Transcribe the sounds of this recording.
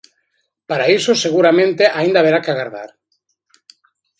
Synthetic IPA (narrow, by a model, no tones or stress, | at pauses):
paɾaisoseɣuɾamẽnt̪eʔaĩnd̪aβeɾakeaɣaɾða̰ɾ